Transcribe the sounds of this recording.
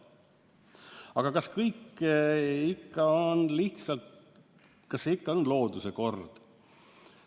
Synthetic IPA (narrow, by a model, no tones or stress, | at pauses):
ɑɡ̥ɑkɑskɤjkː | ikːɑonliht̪sɑlt̪ | kɑseikːɑonlo̞ːd̪̥use̞ko̞rd̪̥